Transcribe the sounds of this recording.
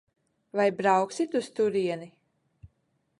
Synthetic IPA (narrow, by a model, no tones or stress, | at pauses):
vajbɾawksit̪ust̪uɾiɛni